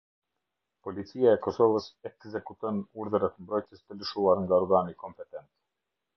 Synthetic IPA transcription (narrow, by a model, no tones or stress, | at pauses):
pɔlit͡siaɛkɔsɔvəsɛkzɛkut̪ɔnuɾðəɾat̪əmbɾɔjt̪jəst̪ələʃuaɾŋɡaɔɾɡanikɔmpɛt̪ɛnt̪